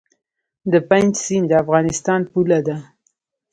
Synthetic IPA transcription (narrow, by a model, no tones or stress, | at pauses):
d̪əpand͡ʒsind̪əafɣɑnɪst̪ɑnpulad̪a